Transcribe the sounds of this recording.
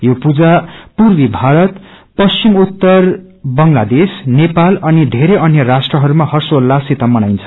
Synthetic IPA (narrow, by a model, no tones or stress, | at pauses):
jopud͡zapurbibʱaɾʌt̪pʌst͡ɕimut̪ːʌr | bʌŋlad̪esnepalʌnid̪ʱeɾeʌnjʌɾasʈrʌɦʌɾumahʌrsolːasit̪amʌnajnt͡sʰʌ̥